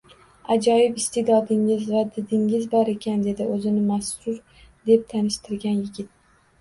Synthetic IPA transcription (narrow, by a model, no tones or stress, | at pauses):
ad͡ʒɒjɪpɪst̪ed̪ɒd̪ɪŋɪzvad̪ɪd̪ɪŋɪzbɒɾe̞kʲʰand̪e̞d̪ɪʔɵzɪnɪmasʊɾ | d̪e̞p̚t̪ʰanɪʃt̪ʰɪɾɡʲanjɪɡʲɪt̪̚